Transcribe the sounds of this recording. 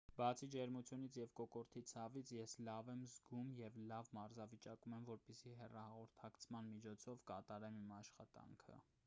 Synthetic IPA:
bɑt͡sʰid͡ʒɛɾmut͡sʰjunit͡sʰjɛvkɔkɔɾt̪ʰit͡sʰɑvit͡sʰjɛslɑvɛmzɡumjɛvlɑvmɑɾzɑvit͡ʃɑkumɛmvɔɾpɛsiɦɛrɑhɑʁɔɾt̪ʰɑkt͡sʰmɑnmit͡ʃʰɔt͡sʰɔvkɑt̪ɑɾɛmimɑʃχɑt̪ɑ̰ŋkʰə̰

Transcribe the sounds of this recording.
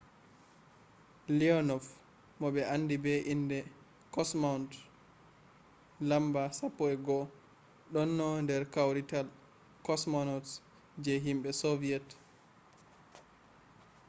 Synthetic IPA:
liɔnɔf | mɔɓɛʔanːdibɛʔindɛ | kɔsmawnt | lambasapːɔɛɡɔ | ɗɔnːɔndɛɾkawɾital | kɔsmɔnɔts | d͡ʒɛɦimɓɛsɔviɛt

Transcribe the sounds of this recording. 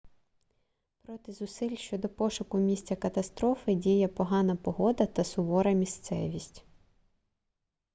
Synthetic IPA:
pɾɔt̪ɪzʊsɪlʲʃt͡ʃɔd̪ɔpɔʃʊkʊmʲisʲt͡sʲɐkɐt̪ɐst̪ɾɔfɪdʲijɛpɔɦɑnɐpɔɦɔd̪ɐt̪ɐsʊʋɔɾɐmʲist̪sɛʋʲisʲtʲ

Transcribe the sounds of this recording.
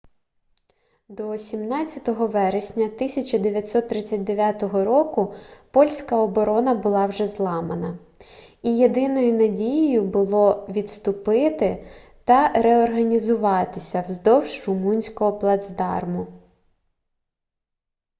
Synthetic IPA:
d̪ɔːsʲimnɑt͡sʲːɐt̪ɔɦɔʋɛɾesʲnʲɐt̪ɪsʲɐt͡ʃɐd̪eʋʲjɐt̪ʲsɔt̪ːɾɪt͡sʲːɐt̚ʲd̪e̞ʋʲjat̪ɔɦɔɾɔkʊpɔlʲsʲkɐɔbɔɾɔnɐbʊlˠɑwʒɛzlˠɑmɐnɐ | ijed̪ɪnɔjʊnɐdʲijɪjʊbʊlˠɔʋʲit̪st̪ʊpɪt̪ɪt̪ɐɾɛɔrɦɐnʲizʊʋɑt̪ɪsʲɐwzd̪ɔwʒrʊmunʲsʲkɔɦɔplˠɐd̪zd̪ɑ̰rmʊ

